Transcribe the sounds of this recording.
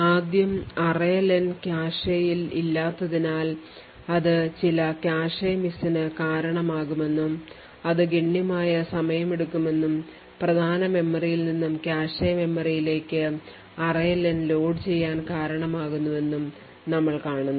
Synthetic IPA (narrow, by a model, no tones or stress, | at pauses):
aːd̪jɐmɐrɐjɐlɐnkaːʂɐjililːaːt̪ːɐðinaːl | ɐðɨt͡ɕilɐkjaːʂɐjɐmisinɨkaːɾɐɳɐmaːɣume̞nːum | ɐðɨɡeɳːjɐmaːjɐsɐmɐjɐme̞ɽukːume̞nːum | prɐd̪ʱaːnɐme̞mːɐrijilninːumkjaːʂɐjɐme̞mːɐrijile̞ːkːɨ | ɐrɐjɐlɐnlo̞ːɖt͡ɕe̞jːaːnkaːɾɐɳɐmaːɣunːuʋe̞nːum | nɐmːɐɭkaːɳunːɐ